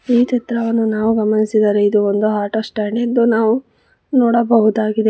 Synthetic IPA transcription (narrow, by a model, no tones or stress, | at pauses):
iːt̪ɛt̪ɾɐʋɐnːunaːʋuɡɐmɐnisid̪aːɾeid̪uond̪uɦaːɾʈɐsʈaːɳɖiɐd̪ːunaːʋu | nɔːɽɐbɐɦud̪aːɡid̪e